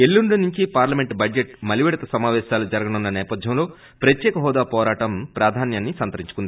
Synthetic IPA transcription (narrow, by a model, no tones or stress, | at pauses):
elːuɳɖunuɲt͡ʃipaːɾlɐme̞ɳʈbɐd͡ʒeʈ̚mɐliʋɛɽɐt̪ɐsɐmaːʋɛːʃaːlud͡ʒɐɾɐɡɐnunːɐnɛːpɐd̪ʱjɐmlo̞ː | pɾɐt̪jɛːkɐɦɔːd̪aːpɔːɾaːʈɐmpɾaːd̪ʱaːnjaːnːisɐnt̪ɐɾiɲt͡ʃukund̪ii